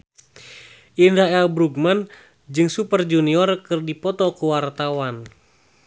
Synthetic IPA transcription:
ʔindaɛlbɾuɡ̚man | d͡ʒɨŋsupərd͡ʒuniɔrkɨrdipɔt̪ɔkuwart̪awan

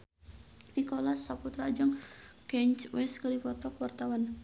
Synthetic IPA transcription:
ikɔlasaput̪ɾad͡ʒɔŋkɛɲt͡ʃwɛskəɾipɔt̪ɔkwart̪awan

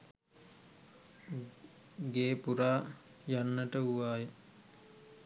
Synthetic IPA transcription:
ɡeːpuɾaː | janːəʈəuʋaːjə

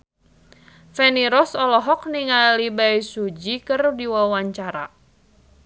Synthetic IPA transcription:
fɛniɾɔsɔlɔɦɔk̚niŋalibajsud͡ʒikərdiwawaɲt͡ʃaɾa̰

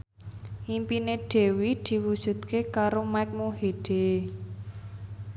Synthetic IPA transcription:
ʔimpineɖ̥e̤wid̪̥i̤wud̥ʒ̥ṳt̪̚kekaɾomajk̚moɦeɖ̥e

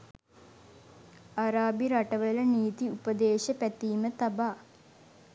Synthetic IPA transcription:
aɾaːbiɾaʈəʋələniːt̪iupəd̪eːʃəpæt̪iːmət̪abaː

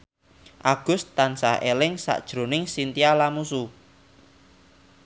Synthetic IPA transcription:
ʔaɡ̥ʊ̤st̪ansahelɪŋsa̰ʔd̥ʒ̥ɾo̤nɪŋsint̪ialamusu

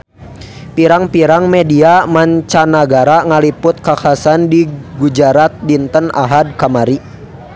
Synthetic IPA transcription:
piɾaŋpiɾaŋmɛdiamaɲt͡ʃanaɡaɾaŋalipʊt̪̚kakasandiɡud͡ʒaɾat̪̚dint̪əna̰ɦad̚kamaɾi

